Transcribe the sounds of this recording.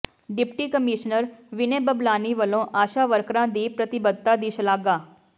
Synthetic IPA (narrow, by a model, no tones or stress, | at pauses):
ɖɪpʈiːkəmɪːʃnəɾʋɪneːbəblaːniːʋəlõːʔaːʃaːʋəɾkɾãːd̪iːpɾət̪ɪbəd̪̚t̪aːd̪ɪːʃlaːɡaː